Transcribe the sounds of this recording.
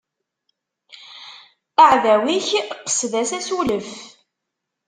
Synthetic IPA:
əʕðæwiçqːə̥sðæsæsuləf

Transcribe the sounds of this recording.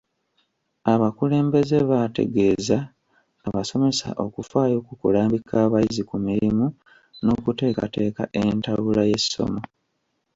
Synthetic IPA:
aβakule̞ːmbe̞ze̞βate̞̰ɡe̞ːzaː | βaso̞me̞sa̰ʔo̞kufaːjo̞ːkukulaːmbikʰaːβajizikumiɾimu | no̞ːkute̞ːka̰te̞ːkaʔe̞ntaβulaje̞so̞̰mo̞

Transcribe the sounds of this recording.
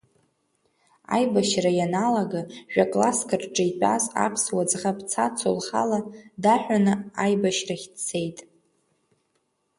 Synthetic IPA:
a̰jbaʃrajanalaɡaʒᶣakʼlaskʰɨrʈ͡ʂʼejpʼa̰sa̰pʰswad͡zχapʰʼt͡sʰat͡sʰo̰lχa̰ladaħᶣʷanɨajbaʃraχʲdt͡sʰe̞jtʼ

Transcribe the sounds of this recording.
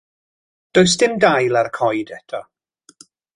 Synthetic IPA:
d̥ojs̬d̥ɪmdajlˠarkʰɔjdɛtʰɔ

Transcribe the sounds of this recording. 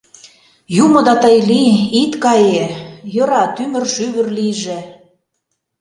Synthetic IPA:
jumɤ̆d̪ɑt̪əjliit̪kɑjejɤ̆ɾɑt̪ymə̆rʃyβə̆rliʒĕ

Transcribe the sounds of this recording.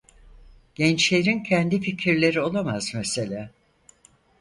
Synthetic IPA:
ɟ̥ɛnt͡ʃlʲeɾincʰɛnd̪ificʰiɾlʲe̞ɾio̞lˠamaz̥mese̞lʲaː

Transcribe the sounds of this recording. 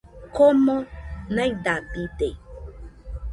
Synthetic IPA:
komõnãidadide

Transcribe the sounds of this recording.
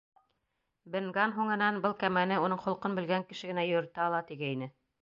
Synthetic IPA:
bɘ̆ŋɡɑnɦuɴɤ̆nɑnbɤlˠkæmænɘunɤɴχŏlˠqɤnbɘ̆lɡæŋkɘ̆ʃɘ̆ɡɘ̆næjɵ̆ɾt̪ɑɑlˠɑt̪iɡæinɘ

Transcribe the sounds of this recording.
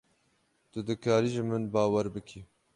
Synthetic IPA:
t̪ɨd̪ɨkʰɑːɾiʒɨmɨnbɑːwɛɾbɨkʰi

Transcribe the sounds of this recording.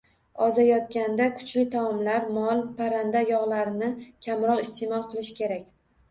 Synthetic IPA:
ɒzajɒt̪kʲand̪akʰʊ̥t͡ʃlɪt̪ʰawɒmlaɾmɒlˠpʰaɾand̪ajɒʁlˠaɾɪnɪkʲʰamɾɒqɪst̪ʰemɒlˠqʰɨlˠɪʃkʲʰe̞ɾakʲ

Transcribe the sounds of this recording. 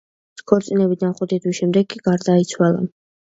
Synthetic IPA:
skʰɔɾt̪sʼinɛbid̪anχʼwɛt̪ʰid̪wiʃɛmd̪ɛɡkʼːiɡ̥aɾd̪ait̪sʰwalˠa̰

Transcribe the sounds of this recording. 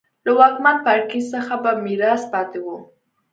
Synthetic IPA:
lawɑkmanpaɾkizsəxabamiɾɑspɑt̪ewu

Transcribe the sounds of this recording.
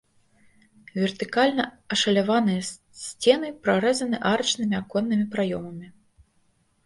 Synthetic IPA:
vʲɛrt̪ɨkalʲnɐ | ɐʂɐlʲavanɨjɐ | sʲt͡sʲɛnɨpɾaɾɛzɐnɨʔaɾɐt͡ʂnɨmʲiakɔnːɨmʲipɾajɔmɐmʲi

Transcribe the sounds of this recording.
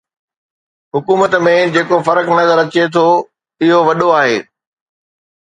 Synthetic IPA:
ɦʊkuːmət̪mẽd͡ʑeːkofɐɾəknɐzəɾɐt͡ɕet̪ʰo | ɪɦoʋɐɗoaːɦḛː

